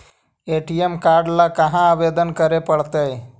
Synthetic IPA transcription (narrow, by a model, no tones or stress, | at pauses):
eʈiemkaɾɖlakəɦãabed̪ənkəɾepəɽt̪əj